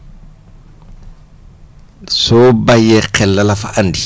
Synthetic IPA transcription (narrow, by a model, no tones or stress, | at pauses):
sobajɛq͡χʰɛlːalafaʔan̩di